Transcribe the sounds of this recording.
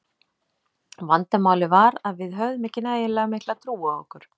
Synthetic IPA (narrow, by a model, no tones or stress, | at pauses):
vant̪amaːwlɪvaɾaðvɪðɦœðmɪhcːɪnaejɛlɛːɣamɪhk̪lat̪ʰɾuːao̰hkʏɾ̥